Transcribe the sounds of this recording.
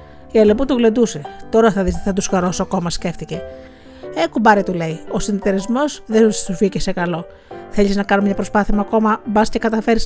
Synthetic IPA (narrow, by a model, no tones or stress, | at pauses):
iɐleput̪uɣle̞nd̪use̞t̪o̞ɾɐθɐðist̪eθɐt̪usxɐɾo̞sɐko̞mɐsce̞ft̪ice̞ | ekubɐɾit̪ule̞iosinit̪eɾizmo̞zðenust̪uficese̞kɐlo̞ | θe̞ʎiznɐkɐnomɲɐpɾo̞spɐθiɐmɐko̞mɐbɐscekɐt̪ɐfe̞ɾis